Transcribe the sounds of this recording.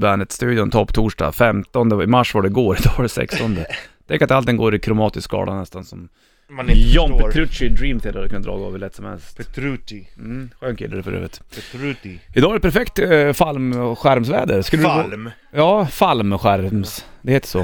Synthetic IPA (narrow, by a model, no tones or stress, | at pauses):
bæːnət̪st̪ʉ̟ːd̪jɔnt̪ʰɔpːt̪ʰuːʂɖɑ̰fɛmt̪ɔnd̪əɪmaʂːvaɖɛɡoːɾɪd̪ɑːɖɛsɛ̰kst̪ɔnd̪ət̪ʰɛŋkːɾat̪alt̪ɪŋːɡoːɾɪkʰɾʊmɑːt̪ɪskkɡɑ̰ːd̪anɛst̪ansɔm | jɔnp̪ʰɾɵʂɪd̪ɾiːmt̪ʰɪlɛhad̪kɵnːad̪ɾɑ̰ːɡɑ̰ːvəɭɛt̪sɔmhɛ̰lstt̪ | ɧøːnkʰɪ̰lːəɾɛfœɾø̰ːvət̪ | ɪd̪ɑːaɾɖɛpʰæɾfɛkt̪falmɧæɾmsvɛ̰ːd̪əɾskɵlːəd̪ | jɑːfalmɧæɾmsd̪ɛheːt̪ə̥ʂɔ